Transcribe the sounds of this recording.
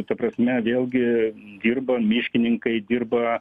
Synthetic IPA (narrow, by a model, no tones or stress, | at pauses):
t̪ɐpɾɐsʲmʲɛʋʲeːlʲˠɡʲɪd̪ʲiːrbɐmʲiːʃʲkʲɪnʲɪŋkɐɪd̪ʲiːrbɐ